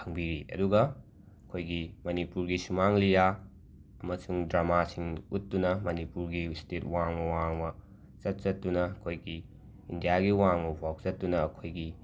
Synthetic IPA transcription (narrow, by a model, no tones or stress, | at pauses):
kʰɐŋbiɾiʔɐ̰duɡɐ | ɐkʰojɡimɐnipuɾɡisumaŋlija | ɐmɐsuŋdɾamasiŋutːunɐmɐnipuɾɡistʰet̚waŋmɐwaŋmɐ | t͡ʃɐt̚t͡ʃɐtːunɐɐkʰojɡi | indijaɡiwaŋmɐbʱawk̚t͡ʃɐtːunɐːkʰojɡi